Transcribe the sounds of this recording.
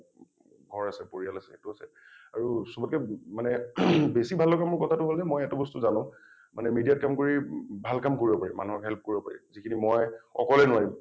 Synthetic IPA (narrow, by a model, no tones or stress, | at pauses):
ɡʱɔɹasɛpoɹialasɛetuasɛ | aɹusɔbɔt̚kɛmanɛbesibʱalːɔɡamʊɹkɔtʰatʊɦolzɛmɔjɛtʊbɔstʊzanʊ̃ | manɛmidijat̚kamkoɹibʱalkamkoɹibɔpaɹima̰nuɦɔkɦɛlp̚koɹibɔpa̰ɹḭzikʰinimɔjɔ̰kɔlɛnʊwaɹim